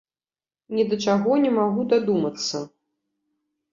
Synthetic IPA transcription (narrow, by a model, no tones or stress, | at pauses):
nʲɛd̪ɐt͡ʂaɣɔnʲɛmaɣud̪ad̪umɐt̪sːɐ